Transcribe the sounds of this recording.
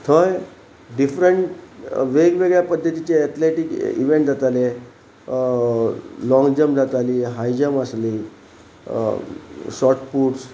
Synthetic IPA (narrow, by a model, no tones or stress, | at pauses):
t̪ʰəj | ɖifɾəɳʈʋeɡʋeɡɭjapəd̪ʱːət̪it͡ɕeɛt̪ʰleʈikḭʋeɳʈ̚d͡zat̪ale | lɔ̃ŋɡd͡ʑəmd͡zat̪aliːɦajd͡ʑəməsli | sɔʈpuːʈs